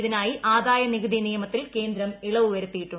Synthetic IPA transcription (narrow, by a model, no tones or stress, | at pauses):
ðinaːjiʔaːd̪aːjɐniɣɐðinijɐmɐt̪ːilke̞ːnd̪ɾɐmiɭɐʋuʋɐɾut̪ːijiʈːu